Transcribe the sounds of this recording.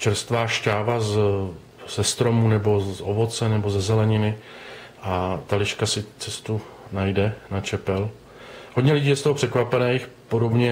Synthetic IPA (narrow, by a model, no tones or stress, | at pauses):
t͡ʃɛɾst̪vaːʃcaːvaz | z̥ɛst̪ɾo̞munɛbo̞ovo̞t͡sɛnɛbo̞zɛzɛlɛɲɪnɪ | ʔat̪alɪʃkasɪt͡sɛst̪u | najdɛnat͡ʃɛpɛl | ɦoɟɲɛlɪɟiːjɛst̪oɦor̝̥ɛkvapɛnɛjxpo̞do̞bɲɛ